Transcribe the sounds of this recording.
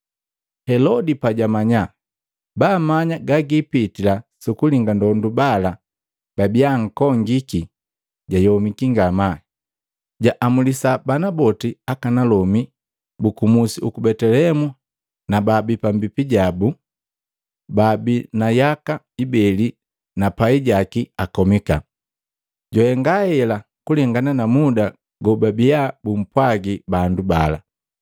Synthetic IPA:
hɛlɔdipaɟamaɲa | bamaɲaɡaɡipitilasukuliŋɡandɔndubala | b̥abiaŋ̩kɔŋɡiki | ɟajɔmikiŋɡama | ɟaʔamulisabanabɔtiakanalɔmi | bukumusiukubɛtɛlɛmu | nababipambipiɟabu | babinajaka | ibɛli | napaiɟakiakɔmika | ɟɔhɛŋɡahɛla | kulɛŋɡananamuda | ɡɔbabiabum̩pwaɡibandubala̰

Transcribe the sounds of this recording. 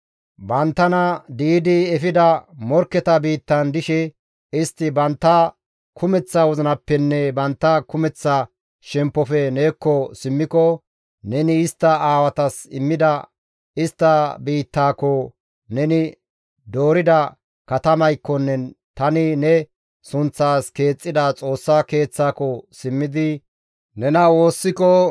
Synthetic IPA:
bɐnt̪ːɐnɐd̪iːd̪ɪɛfɪd̪ɐmɔɾkːɛt̪ɐbiːt̪ːɐnd̪ɪʃɛ | ɪst̪ːɪbɐnt̪ːɐ | kʰʊmɛt͡sːɐwɔzɐnɐpːɛnːɛbɐnt̪ːɐkʊmɛt͡sːɐ | ʃɛmpːɔfɛneːkːɔsɪmːɪkɔ | nɛnɪɪst̪ːɐaːwɐt̪ɐsɪmːɪd̪ɐ | ɪst̪ːɐbiːt̪ːaːkɔ | nɛnɪ | d̪o̞ːɾɪd̪ɐ | kɐt̪ɐmɐjkːɔnːɛ | t̪ɐnɪnɛ | sʊnt͡sːaːske̞ːt͡sʼːɪd̪ɐt͡sʼo̞ːsːake̞ːt͡sːaːkɔsɪmːɪd̪ɪ | nɛnɐwo̞ːsːɪkɔ

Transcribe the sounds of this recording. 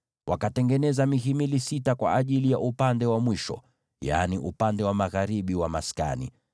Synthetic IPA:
wʔakatɛŋɡɛnɛzamiɦimilisitakwa̰ʔaʄilijaʔupandɛwamwiʃɔ̰ | ja̰niʔupandɛwamaɣaɾiɓiwamaska̰nḭ

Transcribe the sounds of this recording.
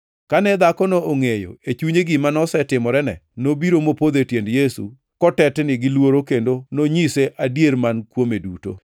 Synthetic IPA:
kanɛd̪akɔnooŋejo̰et͡ʃuɲeɡɪmanɔsɛtɪmɔɾɛnɛ̰nobiɾomopod̪etjendjesṵ | kɔtɛtnɪɡɪlwoɾokendonoɲiseʔadjeɾmankwomeduto̰

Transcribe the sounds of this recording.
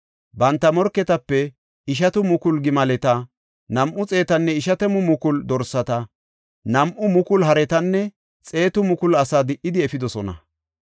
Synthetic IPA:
bɐnt̪ːɐmɔɾkːɛt̪ɐpːɛ | ɪʃ̬ɐt̪ʊmʊkʊlɡɪmɐlɛt̪ɐ | nɐmʔʊt͡sʼe̞ːt̪ɐnːɛɪʃɐt̪ɛmʊmʊkʊld̪ɔɾsɐt̪ɐ | nɐmʔʊmʊkʊlɦɐɾɛt̪ɐnːɛ | t͡sʼe̞ːt̪ʊmʊkʊlɐsaːd̪ɪʔɪd̪ɪɛfɪd̪ɔsɔnɐ̰

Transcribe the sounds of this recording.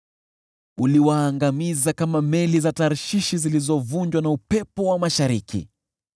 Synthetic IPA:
uliwaːŋɡamizakamamɛlizataɾʃiʃizilizɔvuɲd͡ʒwanaupɛpɔwamaʃaɾikʰḭ

